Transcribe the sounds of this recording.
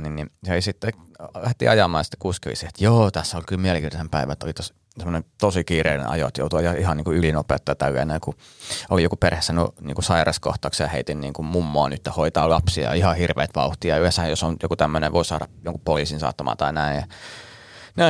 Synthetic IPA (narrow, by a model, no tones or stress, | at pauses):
ninnisisit̪ːe | læht̪ḭʔɑjɑmɑːjsi̥t̪ːe̥kuːskyʋḭsiet̪joːt̪æsːæolʲkylmiælekiːt̪ɑsempæiʋæt̪ːo̰lit̪os | semːonent̪osikiːreinḛnʔɑ̰jo̰t̪jo̰ut̪uʋɑiɑihɑniːŋkuylinopḛːt̪ːɑjɑt̪ælːæ̰ːnæiku | olijokuperhesːænṵnḭːŋkusɑirɑsko̰ht̪ɑːkseɑheit̪inniːŋkummumːoɑːnyt̪ːjæhoit̪ɑ̰ːlɑpsiɑ̰ihɑhirʋḛːt̪ʋɑ̰uht̪iɑyesæhjosonjo̰kut̪æmːønḛʋoˑisɑ̰ɾɑ̰joŋkupoliːsinsɑ̰ːt̪ːɑmɑ̰ːt̪ɑinæinjɑ | næ